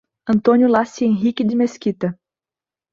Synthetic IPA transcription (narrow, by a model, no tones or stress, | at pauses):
ɐ̃nt̪õnjʊlasiẽɦikid̪ɪmeskit̪ɐ